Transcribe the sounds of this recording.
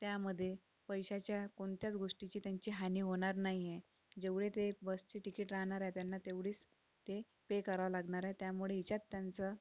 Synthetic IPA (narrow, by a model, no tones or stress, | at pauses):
t̪jaməd̪ʱːje | pəjɕat͡ɕjakoɳt̪jat͡sɡoʂʈit͡ɕiːt̪jaɲt͡ɕiːɦaniːɦoɽ̃aɾnaɦije | d͡ʑeʋɭet̪ebəst͡ɕiːʈikiːʈɾaɦɳaɾajt̪janːat̪eʋɽiːt͡s | t̪e | pekəɾaʋalaɡɳaɾat̪jamuɭeit͡ɕat̪ːjant͡sə